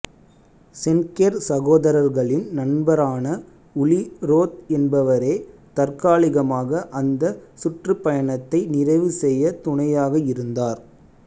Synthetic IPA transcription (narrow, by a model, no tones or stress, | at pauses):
sɛnkeːɾsɐɣoːðɐɾɐɾɣɐɭɪnnɐnbɐɾaːnɐ | ʊɭɪɾoːt̪̚ɛnbɐʋɐɾeːt̪ɐrkaːɭɪɣɐmaːɣɐʔɐnd̪ɐsʊʈrɯpːɐjɐɳɐt̪ːɐɪnɪrɐɪʋɯsɛjːɐt̪ʊɳɐjaːɣɐɪɾɯnd̪aːɾ